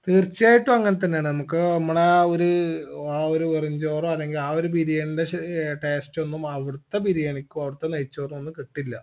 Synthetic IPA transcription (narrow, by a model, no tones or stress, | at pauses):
t̪iːrt͡ɕːijaːjiʈːuɐŋːɐnet̪̬ɐnːejaːɳɨnɐmukːɨemːɐɭeoɾuaoɾuʋiriɲd͡ʑo̞ːroɐlːe̞ŋɡilaːoɾupiɾijɐɳindeʈeːsto̞nːumɐʋiɽut̪ːebiɾijɐɳikʲːumɐʋiɽut̪ːenɐjit͡ɕːo̞ːrumo̞nːukiʈːilːɐ